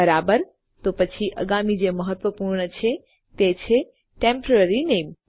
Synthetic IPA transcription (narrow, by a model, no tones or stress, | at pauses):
əɾaːbəɾ | t̪oːpɐt͡ɕʰiʔɐ̰ɡaːmid͡ʑeːmɐɦət̪ʋəpuːɾñət͡ɕʰe | t̪eːt͡ɕʰe | ʈẽːmpɾeɾineːm